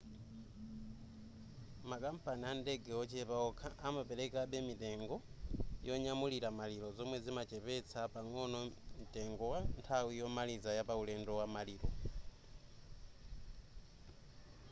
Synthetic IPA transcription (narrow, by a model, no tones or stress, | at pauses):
makam̩paniandɛɡɛɔt͡ʃɛpaɔkʰaʔamapɛɾɛkaɓɛmitɛŋɡɔjɔɲamuliɾamaliɾɔzɔmwɛzimat͡ʃɛpɛt͡sʰapaŋɔnɔm̩tɛŋɡɔwantʰawijɔmalizajapaulɛndɔwamaliːɾɔ